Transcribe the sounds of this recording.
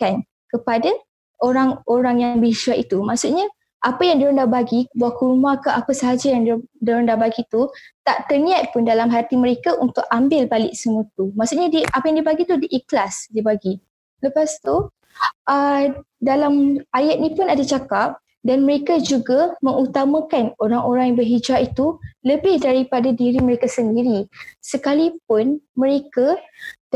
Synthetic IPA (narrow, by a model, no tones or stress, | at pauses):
kan | kəpada | oɾaŋoɾaŋjaŋbəiʃuaʔit̪umaʔsut̪̚ɲa | ʔapajaŋdəɾandabaɡibuakəɾumãkəʔapəsəɦad͡ʒajaŋdaɾandabaɡit̪ut̪aʔt̪ərnĩat̪̚pʊndalamɦat̪iməɾekaʔunt̪ʊkambɪlbalɪʔ̚səmut̪umaʔsuʔɲadiapajaŋdibaɡit̪udiʔiklasdibaɡi | ləpast̪u | ʔə | dalamajat̪̚ɲĩpʊnadat͡ʃakap̚ | danmə̃ɾekad͡ʒuɡamə̃ŋut̪amãkanoɾaŋoɾaŋjaŋbərɦid͡ʒaʔit̪uləbɪhdaɾipadadiɾimə̃ɾekasəndiɾisəkalip̚ʊnmə̃ɾeka